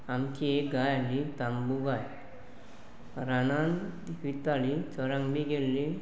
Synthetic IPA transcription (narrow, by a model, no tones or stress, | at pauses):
amkiekɡajalit̪ambuɡaj | ɾanant̪ʋit̪alit͡səɾãŋɡbiɡelːi